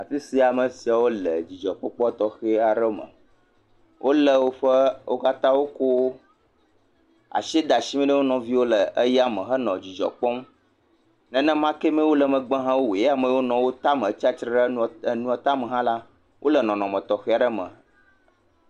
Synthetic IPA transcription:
a˨fi˦si˨a˨mə˨si˨a˨wo˦lə˨d͡ʑi˨d͡ʒɔ˨k͡pɔ˦k͡pɔ˦t̪ɔ˨xe˦a˨ɖə˦mə̰̃˨ | wʔo˦lə˨wo˦ɸə˦wo˦ka˦t̪ã˦wo˦ko˦ | a̰˨ʃi˦d̪a˨ʃi˦mĩ˦ɖə˦wo˦nɔ̃˨vi˦wo˦lə˨ə˦ja˨mə̃˨xə˦nɔ̰̃˨d͡ʑi˨d͡ʒɔ̰˨k͡pɔ˦m˦ | nɛ̃˨nɛ̃˦mã˦ke˦mɛ̃˦wo˦lə˨mə̃˨ɡ͡bã˦ɦã˦wo˦we˨ja˨mə̃˨wo˦nɔ̃˨wo˦t̪a˦mə̃˨˦t͡ɕi˦a˦t͡ʃɾɛ˦ɖə˦˨nũ˦a˨t̪a˦mə˨ɦã˦la˦ | wʔo˦lə˨nɔ̃˨nɔ̃˨mə̃˨t̪ɔ˨xe˦a˨ɖə˦mə̰̃˨

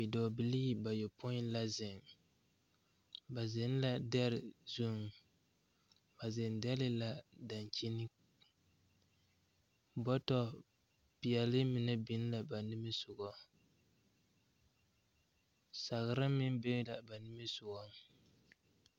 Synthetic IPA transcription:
bi˨dɔ˨bi˨li˦ba˨jɛ˨po˦la˦zɪ˨ŋ | ba˨zɪ˨n˦la˦dɛ˦ɾɪ˨zu˦ŋ˨ | ba˨zɪ˨ndɛ˦lɪ˦la˦da˨n˨t͡ʃi˦ni˦ | bɔ˦tɔ˦ | pi˨ɛ˨lɨ˦mi˨nɛ˦bi˦n˦la˨ba˨nɪ˦mɨ˦sʊ˨ɡɔ˨ | sa˨ɣɨ˨ɾa˦mi˦n˦bɛ˦la˨ba˨nɪ˦mɨ˦sʊ˨ɡɔ˦

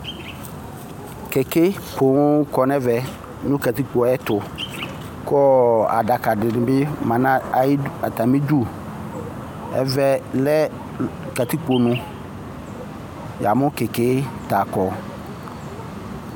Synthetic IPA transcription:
kɛ˨kɛ˦pʰo˨ŋʊ˦kɔ˨nɛ˦vɛ˨ | nʊ̃˦ka˨t̪i˦k͡po˨ɛ˦t̪ʊ˨ | kɔ˦a̰˨da˨ka˨dɪ˨nɪ̃˨bɪ˦mã˨nã˦˨˦a˨t̪a˨mi˦d͡ʒu˦ | ɛ̰˦vɛ˨lɛ˦ | ka˨t̪i˦k͡po˨nʊ̃˦ | ja˨mʊ̃˦kɛ˨kɛ˦t̪a˨kɔ˨

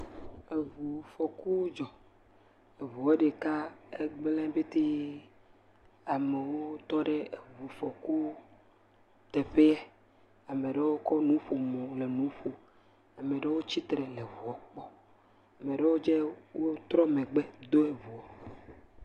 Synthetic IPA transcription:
e˨vu˨fɔ˨ku˦d͡ʒɔ˨ | e˨vu˨ɔ˦ɖe˨ka˦e˦ɡ͡blɛ̃˦be˦t̪e˦ | a˨me˨wo˦t̪ɔ˦ɖe˦e˨vu˨fɔ˨ku˦ | t̪ɛ˨ɸe˦ɛ˦ | a˨me˨ɖe˦wo˦kɔ˦nũ˦ɸo˨mɔ̃˨le˨nũ˨˦ɸo˨ | a˨me˨ɖe˦wo˦t͡ɕi˦t̪ɾɛ˨le˨vu˨ɔ˨˦k͡pɔ˦ | a˨mẽ˨ɖe˦wo˦d͡ʒe˦wo˦t̪ɾɔ˦mẽ˨ɡ͡be˦d̪o˦e˨vu˨ɔ˨

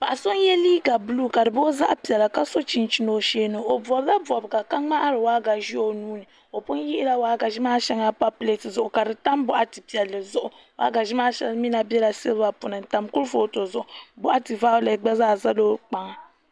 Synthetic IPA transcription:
ba˨ʔa˨so˦n˦jɛ˦liː˦ɡa˨bɨ˦luː˦ka˨dɨ˨bo˦za̰˦ʔpi˨ɛ˨la˨ka˦so˦t͡ʃi˨nt͡ʃi˦no˨ʃeː˦nɨ˨o˨bɔ˨bla˦bɔ˨bɨ˨ɡa˨ka˦ŋ͡ma˦ʔa˦ɾɨ˨wa˦ɡa˨ʒi˦o˦nuː˦nɨ˨ | o˨pʊ˦n˦ji˦i˦la˦waː˦ɡa˨ʒi˦maː˦ʃɛ˦ŋa˦pa˦ple˦tɨ˨zʊ˨ʔʊ˨ka˨dɨ˨ta˦mbʊ˦ʔa˨tɨ˨pi˨ɛ˨lːɨ˨zʊ˦ʔʊ˨ | wa̰˦ɡa˨ʒi˦maː˦ʃɛ̰˦lmi˦na˨bɛ˦la˨sɨ˦lba˨pʊ˨nɨ˨n̩˨ta˨mkʊ˦lfo˦to˨zʊ˦ʔʊ˨bʊ˦ʔa˦tɨ˨va˦ʊ˦le˨ɡ͡ba˦zaː˦˨za˦loː˦k͡pa˦ŋa˨

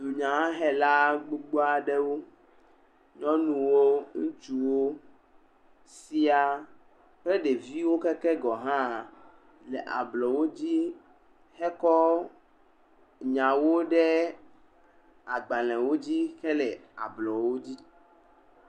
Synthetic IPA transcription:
d̪u˨ɲã˨ã˦ɦɛ˦la˦ɡ͡bu˦ɡ͡bo˦a˨ɖɛ˦wo˦ | ɲɔ̃˦nũ˨wo˦ŋũ˦t͡ʃu˦wo˦ | si˦a˨ | k͡plɛ˦ɖe˨vi˦wo˦kɛ˦kɛ˦ɡɔ˨ɦã˦˨ | lɛ˨ʔa̰˨blɔ˨wo˦d͡ʑi˦ | hɛ˦kɔ˦ | ɲã˨wo˦ɖɛ˦ | a˨ɡ͡ba˨lɛ̃˨wo˦d͡ʑi˦xɛ˦lɛ˨a̰˨blɔ˨wo˦d͡ʑi˦

